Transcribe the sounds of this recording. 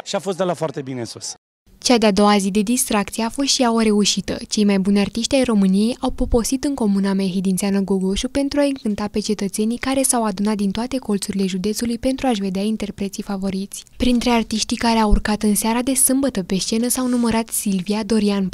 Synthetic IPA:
ʃiafo̞st̪̚d̪elafoart̪e̞binesus | t͡ʃad̪ead̪o̞wazid̪e̞d̪ist̪ɾak̚t̪sieafo̞st̪ʃiawəɾe̞uʃit̪ə̰t͡ʃe̞jmajbunʲart̪iʃt̪ʲajro̞mɨnije̞jawpo̞po̞sit̪ɨŋko̞munamaɦid̪int̪seanəɡoɡoʃupe̞nt̪ɾuaɨŋkɨnt̪ape̞t͡ʃe̞t̪ət̪se̞nikaɾe̞sawad̪unat̪̚d̪int̪oat̪e̞ko̞lt̪suɾile̞ʒud̪e̞t̪sulujpe̞nt̪ɾuaʃve̞d̪eaint̪e̞rpɾet̪sifavo̞ɾit̪sʲpɾint̪ɾe̞art̪iʃt̪ikaɾe̞awurkat̪ɨnseaɾad̪e̞sɨmbət̪əpe̞ʃt͡ʃe̞nəsawnuməɾat̪silviad̪o̞ɾian

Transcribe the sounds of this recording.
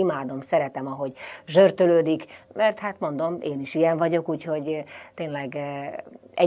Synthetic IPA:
imaːd̪o̞msɛɾɛt̪ɛmɒɦo̞ɟʒørt̪øløːd̪ikmɛrt̪haːt̪mo̞nd̪o̞meːniʃijɛɱvɒɟo̞kuːcho̞ɟt̪eːnlɛɡ | ɛ

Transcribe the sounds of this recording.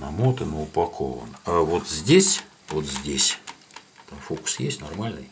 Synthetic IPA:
nɐmot̪ɨnəʊpɐkʰo̰və̰navot̪zʲdʲesʲ | vot̪zʲdʲesʲ | t̪amfokʊ̥sjesʲtʲnɐrmalʲnɨj

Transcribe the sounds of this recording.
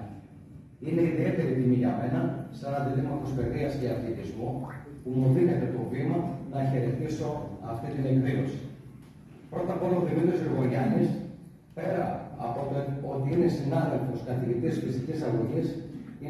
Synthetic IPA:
ine̞iðie̞t̪e̞ɾit̪imiʝɐme̞nɐsɐnɐd̪iðinɐkospe̞ðiɐsceɐθlit̪izmupumuðine̞t̪e̞t̪o̞vimɐnɐçe̞ɾe̞t̪iso̞ɐft̪it̪ine̞kvio̞si̥ | pɾo̞t̪ɐpo̞lɐoðimit̪ɾio̞siɣo̞ɾʝɐnis | pe̞ɾɐːpo̞t̪eo̞t̪iinesinɐðe̞lfo̞skɐθiʝit̪isfist̪icisɐɣoʝisi

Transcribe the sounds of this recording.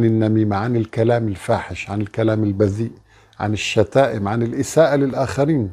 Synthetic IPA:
nɪnːamiːmaʕanɪlkalaːmɪlfaːħɪʃʕanɪlkalaːmɪlbaziːʔ | ʕa̰nɪʃːat̪aːʔɪmʕanɪlʔɪsaːʔalɪlʔaːxaɾiːn

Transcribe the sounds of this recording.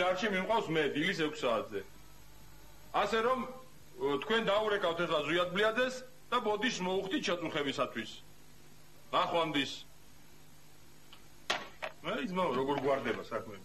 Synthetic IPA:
aɾt͡ʃimimqʼawsmɛd̪ilisɛkʰsaːt̪ʰzɛ | asɛɾɔm | t̪ʰkʰwɛnd̪auɾɛkʼawt̪ʰɛχlaziad̪̚bliad̪zɛs | d̪̥abɔd̪ismɔuχt̪it̪̚ʰt͡ʃʰat̪sʼuχɛbisat̪ʰwis | naχwand̪is | mɛit̪sʰmaɾɔɡɔɾɡwaɾd̪ɛbasakʰmɛ

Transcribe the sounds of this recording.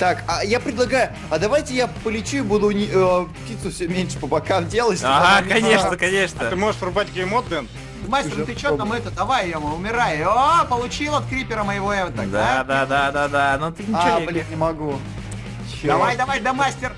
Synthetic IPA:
t̪akajapɾʲɪd̪lˠɐɡajʊ | ɐd̪ɐvajtʲɪjapəlʲɪt͡ɕuɪbud̪ʊnʲəptʲit̪sʊfsʲɵmʲenʲʂɨ̥pəbɐkamdʲe̞lˠəsʲaɦakɐnʲeʂnəkɐnʲe̞ʂnət̪ɨmoʐɨʂrʊbatʲɡʲejmot̪ːɛn | d̪masʲt̪ʲɪrt̪ɪt͡ɕoɐmɛt̪əd̪ɐvajjomʊmʲɪɾajopəlˠʊt͡ɕilˠɐt̪kɾʲipʲɪɾəməjɪvoɛvt̪aɡ̚d̪ad̪ad̪ad̪ad̪anot̪ɨnʲɪablʲinnʲɪmɐɡu | ɕd̪ɐvajd̪ɐvajd̪ɐmasʲtʲɪr

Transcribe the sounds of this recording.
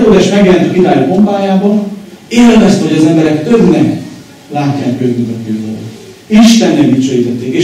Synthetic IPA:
oːɡ̪aːʃmɛɡjɛlɛnt̪ykid̪aːjupo̞mbaːjaːbɒneːlvɛst̪ɛho̞ɟɒzɛmbɛɾɛkt̪øbnɛk | laːcːaːnkøːɡ̪yŋt̪ɔt̪ːøːvɒlo̰ | iʃt̪ɛnːɛɡit͡ʃøjizɛt̪ːeːkeː

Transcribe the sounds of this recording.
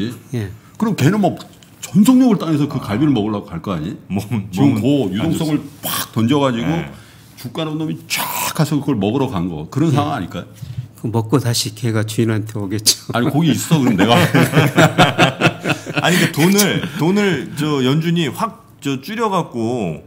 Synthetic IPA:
ije̞ | kɯɾʌmkenɯnmʌ | t͡ɕʌnsʰʌŋɲʌɡɯɭt͈aŋesʰʌkɯkaɭbiɾɯɭmʌɡɯɭːaɡokaɭk͈aaɲiiɡɯmkʌjudoŋs͈ʌŋɯɭp͈ak̚t͈ʌnd͡ʑʌɣad͡ʑiɡo | t͡ɕuk͈aɾanomit͡ɕakʰasʰʌɡɯɡʌɭmʌbɯɾʌkanɯnɡʌ̰kɯɾʌnsʰawaaɲik͈ajokɯmʌk̚k͈otaɕʰikeɡat͡ɕuiɾɭɦantʰeʌɡet̚t͡ɕ͈o̥aɲkoɡiːs͈ʌs͈ʌkɯɾmneɡa | aɲik͈atonɯɭtonɯɭt͡ɕʌjʌnd͡ʑuɲiɸwak̚ | t͡ɕʌt͡ɕ͈uɾjʌɡak̚k͈o

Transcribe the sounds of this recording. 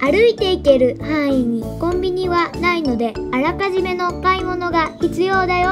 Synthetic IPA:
aɾɯ̟it̪e̞ike̞ɾɯ̟hãɰ̃iɲ̟ʲikõ̞mbʲiɲ̟iβanaino̞d̪e̞aɾakaʑime̞no̞kaimo̞no̞ɡaçit͡sɨjo̞ːd̪ajo

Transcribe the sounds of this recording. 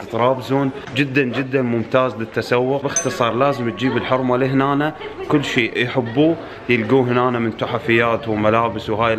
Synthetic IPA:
t̪ɾˤɑːbzuːn | d͡ʒɪd̪ːand͡ʒɪd̪ːanmʊmt̪aːzlɪt̪ːasawːʊqbɪxt̪ɨsˤɑːɾˤlaːzɪmt̪̚d͡ʒiːbɪlħʊɾˤmaliɦnaːnakʊlːʃeːʔjħɪbːuː | jɪlɡuːɦnaːnamɪnt̪ʊħafɪjːaːt̪wmalaːbɪswɦaːj

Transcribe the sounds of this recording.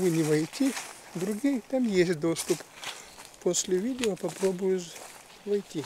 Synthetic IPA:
vɨnʲɪvɐjtʲi | d̪ɾʊɡʲijt̪amjesʲtʲd̪o̞st̪ʊp | posʲlʲɪvʲidʲɪopɐpɾobʊjʊs | vɐjtʲi

